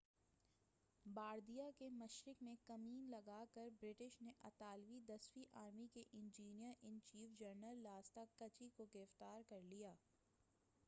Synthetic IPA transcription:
baːɾd̪ijakemɐʃɾɪkmẽkɐmiːnlɐɡaːkɐɾbɾɪʈɪʃneʔɐt̪aːlʋid̪ɐswiʔaːɾmikeʔɪ̃nd͡ʒiːnijəɾɪ̃nt͡ʃiːfd͡ʒəɾnəlːaːst̪akɐt͡ʃikoɡɪɾɪft̪aːɾkɐɾlijaː

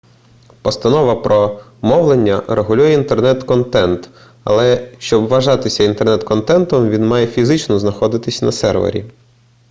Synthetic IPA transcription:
pɔst̪ɐnɔʋɐpɾɔmɔʋlˠenʲːɐɾeɦʊlʲujɛint̪ernɛt̪kɔnt̪ɛnt̪ | ɐ̰lˠɛʃt͡ʃɔbʋɐʒɑt̪ɪsʲɐint̪ernɛt̪kɔnt̪ɛnt̪ɔmʋʲinmɑjɛfʲizɪt͡ʃnʊznɐxɔd̪ɪt̪ɪsʲnɐ̰sɛ̰rʋḛɾʲḭ

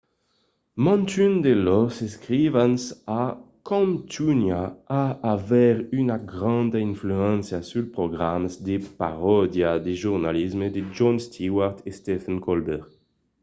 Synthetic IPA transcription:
mɔ̃nt̪ynd̪elɔseskʁivansa | kʰɔ̃nt̪ʰynjaaːvɛʁynaɡʁɑ̃nd̪ĩnflyɛ̃nsjasylpʁɔɡʁamsd̪epa̰ʁɔd̪jad̪eʒuʁnalizmed̪ed͡ʒɔnst̪ʰiwaʁt̪est̪ɛfankʰɔlbɛʁ

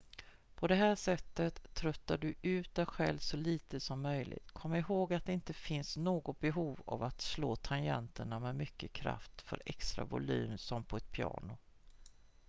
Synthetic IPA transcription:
pʰɔd̪ɛɦæːʂɛt̪ːət̪ʰːɾɵt̪ːaɖɵʉ̟ːt̪̚d̪ɛɾɧɛlvsɔliːt̪əsɔmːœjlʔɪ̰kʰɔmːaɪɦoːɡat̪̚d̪ɛɪnt̪əfɪnsnoːɡɔt̪̚bɛɦuːva̰vat̪sloːt̪ʰajant̪əɳamɛmʏkːəkʰɾa̰ft̪fœ̰ɾʔɛkst̪ɾa̰vʊ̰ly̰ːmsɔmpʰɔɛt̪̚pʰɪɑ̰ːnʊ

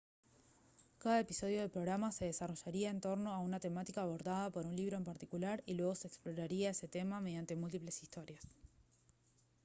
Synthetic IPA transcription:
kaðaepiso̞ð̞jo̞ð̞e̞lpɾo̞ɣɾamase̞ð̞esaro̞ʃaɾiae̞nt̪o̞ɾno̞aunat̪e̞mat̪ikaːβo̞ɾt̪að̞apo̞ɾunliβɾo̞empaɾt̪ikulaɾilwe̞ɣ̞o̞se̞ːksploɾaɾiae̞se̞t̪emame̞ðjant̪e̞mult̪iple̞sist̪o̞ɾjas

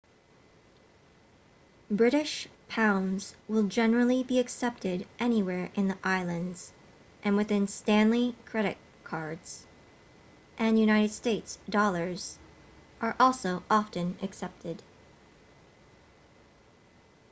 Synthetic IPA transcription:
bɹɪɾɪʃpʰãʊ̃nzwɪlˠd͡ʒɛnə˞l̩ˠibiɨksɛp̚tɪɾʔɛniwɛɹʔɨ̃nðiʔaɪlˠɨ̃ndz̥ | ʔɨ̃nwɨθɪ̃nstæ̃nlikʰɹ̥ɛɾɨ̰t̚ | kʰɑɹdz̥ | ʔɨ̃njʉɾ̃aɪɾɨd̥steɪtsd̥ɔlˠə˞z̥ | ʔə˞ʔɔlˠsoʊʔɑfɨ̃nɨksɛp̚tɪd̥

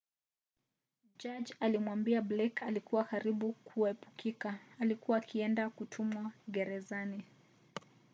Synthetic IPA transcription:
d͡ʒad͡ʒalimwambiablɛkʰalikuwakaɾiɓukʰuɛpukikaːlikuwaːkiɛndakutʰumwaɡɛɾɛzani

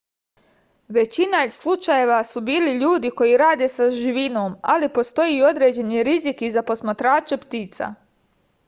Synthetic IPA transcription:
ʋe̞t͡ɕinaslˠut͡ʃaje̞ʋasubiːliʎuːd̪iko̞jiɾaːd̪e̞saʒiʋino̞ːmalipo̞st̪o̞jiːo̞d̪ɾe̞ːd͡ʑe̞niɾizikizapo̞smat̪ɾaːt͡ʃe̞pt̪it̪sa̰

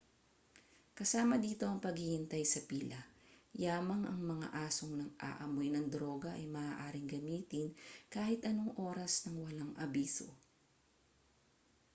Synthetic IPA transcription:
kɐsaːmɐd̪iːt̪o̞ʔɐŋpɐɡ̚hɪhɪnt̪ajsɐpiːlɐjaːmɐŋʔɐŋmɐŋa̰ʔaːsoŋnɐŋʔa̰ːʔɐmojnɐŋd̪ɾo̞ːɡɐʔɐjmɐʔaːʔaːɾɪŋɡɐmiːt̪ɪnkaːhɪt̪ʔɐnoŋʔo̞ːɾɐsnɐŋwɐlaŋʔɐ̰biːso̰

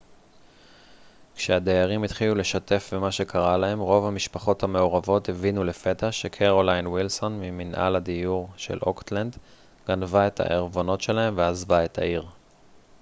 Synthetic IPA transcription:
kʃead̪eaʁimit̪χilule̞ʃate̞fbemaʃe̞kʰaʁalaɦe̞mʁo̞vamiʃpaχo̞thame̞oʁavo̞thevinule̞fe̞t̪aʃekʰeʁo̞lajnwilso̞nmiminʔa̰lad̪ijuʁʃe̞̰lʔokt̪land̪ | ɡ̥anvae̞tha̰ʔeʁvo̞no̞tʃe̞lahe̞mveazvae̞tʰa̰iʁ

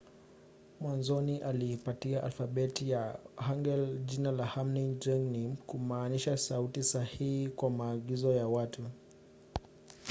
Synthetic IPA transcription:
mwanzɔniʔaliːpatiaʔa̰lfaɓɛtijahaŋɡɛld͡ʒinalahamnind͡ʒɛŋnikumaːniʃasautisahihikwamaːɠizɔjawatu

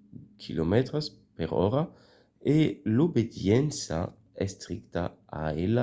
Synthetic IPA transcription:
kʰilomet̪ɾas | peɾɔ̰ɾa | elobed̪jɛnsa̰ | ɛst̪ɾikt̪aa̰ela

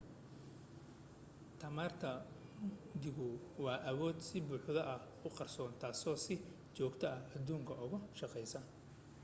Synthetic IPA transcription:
t̪ʰɐmaːrt̪ʰɐ | d̪ɪɣʊwɑːʔɐwɔːd̪sɪbuːħðɐʔɐh | ʊqɑrsɔːnt̪ʰaːsɔːsɪ | t͡ʃɔːɡt̪ʰɐʔɐʔɐd̪uːŋkʰɐʔʊɣɔʃɑqɛjsɐ

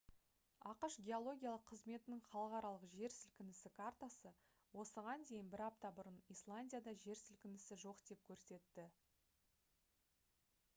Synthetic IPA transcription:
ɑqəʃɡʲe̞o̞lˠo̞ɡʲjalˠəqʰːəzme̞t̪ɪnɪŋχɑlˠəqɑɾɑlˠəqʒe̞ɾsɪlkʲɪnɪsɪkʰart̪asə | wo̞səʁɑnd̪ʲe̞jɪnbɪɾɑp̚t̪ɑbʊɾənislˠanʲdʲijad̪ɑʒe̞ɾsɪlkʲɪnɪsɪʒo̞qd̪̥e̞p̚kʲʰɵɾse̞t̪ːɪ

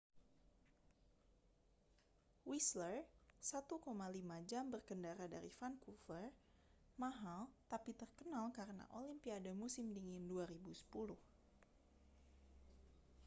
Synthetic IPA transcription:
wislərsat̪ukomalimad͡ʒambərkəndaɾadaɾifankufər | maɦalt̪apit̪ərkənalkaɾəna̰ʔolimpiadamusɪmdiŋɪnduaɾibusə̥pulʊh

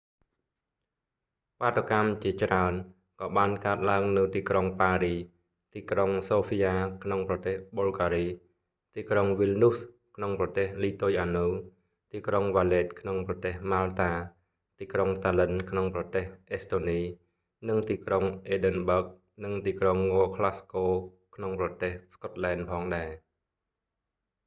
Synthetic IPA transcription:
pat̪okamt͡ɕiət͡ɕraən | kɑːɓaːnkaət̪̚laəŋnɨwt̪iːkroŋpaːriː | t̪iːkroŋsoːpʰijaːkʰnoŋprɑt̪eːhɓolkaːɾiː | t̪iːkroŋʋilnus | kʰnoŋprɑt̪eːhliːt̪oːjʔaːnuː | t̪iːkroŋʋaːleːt̪̚kʰnoŋprɑt̪eːhmaːlt̪aː | t̪iːkroŋt̪aːlənkʰnoŋprɑt̪eːhʔest̪oːniː | nɨŋt̪iːkroŋʔeːɗənɓək̚ | nɨŋt̪iːkroŋŋoːkʰlaskoːkʰnoŋprɑt̪eːhskot̪̚laɛnpʰɑːŋɗaɛ

